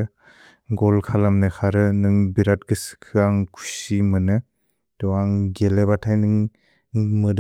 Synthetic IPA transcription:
ɡɔlkʰalamnɯkʰaɾɯnɯŋbiɾat̚ɡɯsɯ̥kʰɯaŋkʰu̥simɯnɯ | d̥ɔaŋɡelebatʰajnɯŋ | mɯd

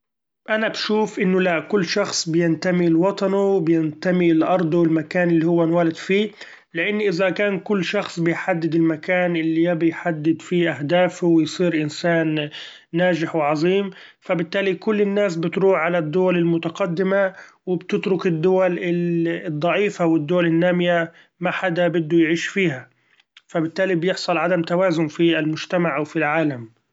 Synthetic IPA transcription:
ʔanabʃuːfʔɪnːʊlaʔkʊlːʃɑxsˤbɪjɪnt̪amilwɑt̪ˤɑnuwbɪjɪnt̪amilʔɑɾˤd̪ˤwɪlmakaːnʔɪlːihʊwːanwaːlɪd̪fiː | lɪʔɪnːʔɪzakaːnkʊlːʃɑxsˤbɪjħad̪ːɪd̪ɪlmakaːnʔɪlːijabɪjħad̪ːɪd̪fiʔahd̪aːfʊwɪjsˤiːɾʔɪnsaːnː | aːʒɪħwɪʕɑzˤiːm | fabɪt̪ːaːlikʊlːɪnːaːs̬bɪt̪ɾuːħʕalad̪ːʊwalɪlmʊt̪aqɑd̪ːɪma | wɪbt̪ɪt̪ɾʊkɪd̪ːʊwalɪd̪ˤːɑʕiːfawɪd̪ːʊwalɪnːaːmɪja | maħad̪abɪd̪ːʊjʕiːʃfiːha | fabɪt̪ːaːlibjɪħsˤɑlʕad̪amt̪awaːzʊmfialmʊʒt̪amaʕʔawfilʕaːlam

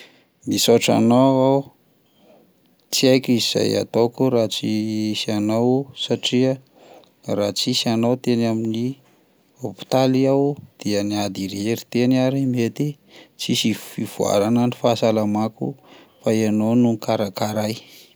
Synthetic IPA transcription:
misoʈ͡ʂa̰noaw | t͡siajkʲiz̥a̰ja̰t̪okuɾat͡sisanawsaʈ͡ʂiə | rat͡sisanawt̪enamini | opi̥t̪aliawd̪̥iəniad̪iɾeɾit̪enaɾimet̪i | t͡sisifiv̥ua̰ɾananifasalamaku | faenownukaɾakaɾaj

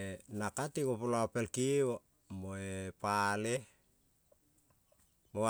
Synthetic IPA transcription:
nakatikopulaopelkiwo | moepale | mo

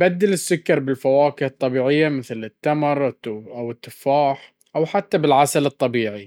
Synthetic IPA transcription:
bad̪ːalɪsːʊkːɑɾˤbɪlfawaːkɪhɑt̪ˤːɑbiːʕɪjːamɪθlɪt̪ːamɑɾˤʔawɪt̪ːɪfaːħ | ʔawħat̪ːabɪlʕasalɨt̪ˤːɑbiːʕi

